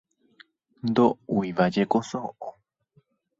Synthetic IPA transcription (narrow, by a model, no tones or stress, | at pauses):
nd̪ouiʋad͡ʒekosoʔo